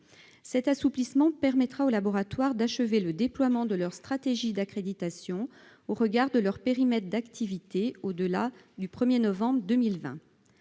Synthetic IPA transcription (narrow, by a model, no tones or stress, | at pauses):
sɛt̪asuplismɑ̃pɛʁmɛt̪χaolabɔʁat̪waʁd̪aʃəveləd̪eplwamɑ̃d̪əlœʁst̪χat̪eʒid̪akχed̪it̪asjɔ̃ | oʁəɡaʁd̪əlœʁpeʁimɛt̪χd̪akt̪ʰivit̪eod̪əla | d̪ypχəmjenɔvɑ̃bʁd̪ømilvɛ̰̃